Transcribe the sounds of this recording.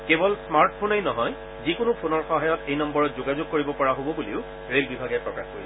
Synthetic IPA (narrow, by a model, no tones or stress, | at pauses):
kebɔlsmaɹʈpʰonejnɔɦɔj | zikʊnʊpʰonɔɹxɔɦajɔtejnɔmbɔɹɔtzoɡazʊɡ̚koɹibɔpɔɹaɦobɔbuliʊ | ɹelbibʱaɡɛpɹɔkaxko̰ɹḭlɛ